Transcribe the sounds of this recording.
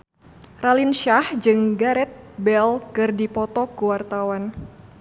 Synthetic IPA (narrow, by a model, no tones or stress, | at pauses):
ralinʃahd͡ʒɨŋɡaɾɛt̪̚bɛlkɨrdipɔt̪ɔkuwart̪awan